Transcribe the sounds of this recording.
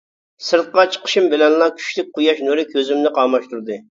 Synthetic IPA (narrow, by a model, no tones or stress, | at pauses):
sɨɾt̪̚qɑt͡ʃʰə̥qʰə̥ʃimbɪlɛnlˠɑkʲʰy̥ʃlɪk̚ʲqʰujɑʃnuɾɨkʲʰøzymnɪqɑːmɑʃt̪uɾd̪ɨ